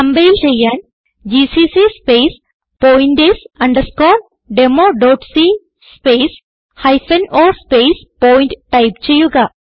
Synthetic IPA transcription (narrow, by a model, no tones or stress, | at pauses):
tɐmbɐjilt͡ɕejːaːn | d͡ʒisiːsispeːs | poːjinɖesɐɳɖɐɾskoːɾ | ɖemoːɖoːʈsi | speːs | hɐjfɐnoːɾspeːspoːjinʈʈɐjpt͡ɕejːuɡɐ